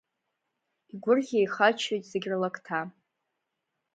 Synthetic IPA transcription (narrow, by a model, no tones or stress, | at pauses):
iɡʷʊrʁʲejχat͡ʃʰojtʼzeɡʲrɨlakʼtʰa